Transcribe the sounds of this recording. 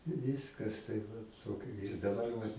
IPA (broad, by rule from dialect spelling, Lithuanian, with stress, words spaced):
ˈʋʲiːskɐs tɐɪp ˈʋɐt ˈtoːkʲoː ɪr dɐˈbɐr ʋɐt